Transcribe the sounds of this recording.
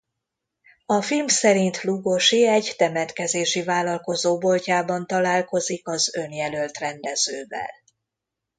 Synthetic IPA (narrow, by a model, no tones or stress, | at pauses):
ɒfilmsɛɾint̪luɡoʃiɛɟt̪ɛmɛt̪kɛzeːʃivaːlɒlko̞zoːbo̞lcaːbɒnt̪ɒlaːlko̞zikɒzø̞njɛlø̞lt̪rɛnd̪ɛz̥øːvɛ̰l